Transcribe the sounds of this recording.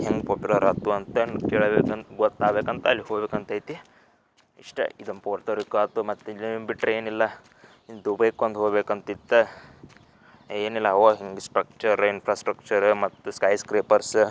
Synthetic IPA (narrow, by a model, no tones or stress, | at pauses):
heŋɡpoːpjulɐɾɐt̪ːuɐnt̪enkeːɭbeːkɐnt̪ɡot̪ːaːbeːkɐnt̪ɐːlːiɦoːɡbekɐnt̪ɐjit̪i | iʂʈɐ̰id̪umpoːɾt̪ɐɾikaːt̪umɐt̪ːelbiʈːɾeeːnilːɐ | ind̪ubɐjkond̪ɦoːɡbekɐnt̪it̪ːe | eːnilːɐoɦiŋɡsʈɾɐk̚t͡ʃɐɾinpʰɾaːsʈɾɐkt͡ʃɐɾmɐt̪ːuskɐjskɾeːpɐɾs